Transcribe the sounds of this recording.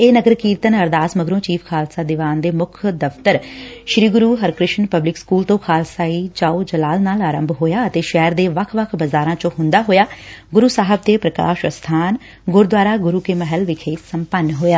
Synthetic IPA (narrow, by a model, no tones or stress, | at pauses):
eːnəɡəɾkiːɾt̪ənəɾd̪aːsməɡɾõːt͡ʃiːfʰkʰaːlsaːd̪ɪʋaːnd̪eːmʊkʰd̪əft̪əɾʃɾiːɡʊɾuːɦəɾkɾɪʃənpəblɪkskuːlt̪õːkʰaːlsaːiːd͡ʒaːoːd͡ʒəlaːlnaːlaːɾə̃mbʱɦoːjaːət̪eːʃɛːɾd̪eːʋəkʰʋəkʰbəzaːɾãːt͡ʃõːɦʊ̃nd̪aːɦoːjaːɡʊɾuːsaːɦəb̚t̪eːpɾəka̰ːʃəst̪ʰaːn | ɡʊɾd̪ʋaːɾaːɡʊɾuːkɪməɦəlʋɪkʰeːsəmpənːɦoːjaː